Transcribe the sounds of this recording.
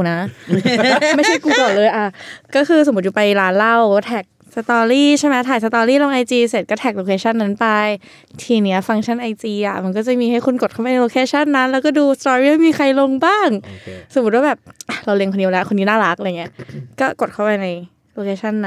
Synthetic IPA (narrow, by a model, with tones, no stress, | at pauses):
na˦˥ʔ | ma˥˩t͡ɕʰa˥˩kuː˧kɔː˨˩lɤː˧jʔa˧˩kɔː˥˩xʰɯː˧so˨˩m˦u˦˥juː˨˩pa˧jlaː˦˥nla˥˩wt̪ʰɛː˨˩k̚ | sa˧t̪ɔː˧ɾiː˥˩t͡ɕʰa˥˩mɛ˦˥t̪ʰaː˨˩jsa˧t̪ɔː˧ɾiː˥˩lo˧ŋʔa˧jt͡ɕ̪iː˧se˨˩kɔː˥˩t̪ʰɛː˨˩k̚loː˧kʰeː˧t͡ɕʰa˥˩nːa˦˥npa˧j | t̪ʰiː˧ni˦˥ɐfa˧ŋt͡ɕʰa˥˩nʔa˧jt͡ɕ̪iː˧ʔa̰˨˩ma˧nk̬ɔː˥˩t͡ɕa˨˩miː˧ha˥˩jkʰu˧nko˨˩t̪̚ʰpa˧n˧loː˧kʰeː˧t͡ɕʰa˥˩nːa˦˥nlɛː˦˥wkɔː˥˩duː˧st̪ɔː˧ɾiː˥˩ma˥˩miː˧xʰa˧jlo˧ŋbaː˥˩ŋso˨˩mu˦˥t̪̚waː˥˩bɛː˨˩p̚ʔa˨˧˩ɾa˧wli˧ŋkʰo˧nːi˦˥wlɛ˦˥wkʰo˧niː˦˥naː˥˩ɾa˦˥k̚ʔa˧jŋi˦˥˦kɔː˥˩ko˨˩kʰa˥˩wpa˧jna˧j | loː˧kʰeː˧t͡ɕʰa˥˩nːa˦